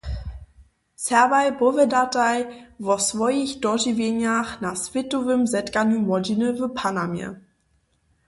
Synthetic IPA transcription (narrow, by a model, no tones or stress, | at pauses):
sɛɐvajbʊvɛdatajvɔsvɔjiçd̥ɔʒivenjaχnasvɪtuvɪmzɛtɡanymɔd͡ʒinəvəpʰanamɛ̰